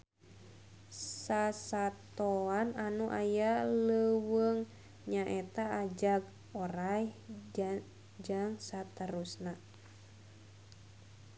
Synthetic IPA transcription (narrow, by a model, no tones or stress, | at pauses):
sasat̪oananuʔajaləwəŋ | ɲaʔet̪aːd͡ʒaɡ | oɾaj | d͡ʒaŋsat̪əɾusna